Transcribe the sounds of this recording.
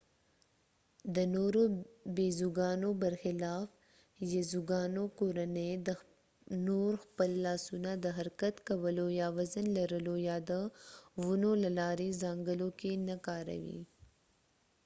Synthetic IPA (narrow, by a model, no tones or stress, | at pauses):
d̪ənoɾobezuɡɑːnobɐɾxɪlɑːf | jezuɡɑːnokoːɾaned̪ə | noɾxpəlːɑːsunad̪əɦaɾkat̪kawəlojɑːwazənlɐɾəlojɑd̪əwunolalɑːɾezɑːŋɡəlokenakɑːɾa̰wḭ